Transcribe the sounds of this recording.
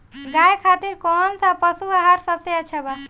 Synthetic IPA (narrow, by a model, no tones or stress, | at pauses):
ɡajkʰat̪iɾkɔɦnsapʌsuaɦaɾsʌbseat͡ʃʰɛba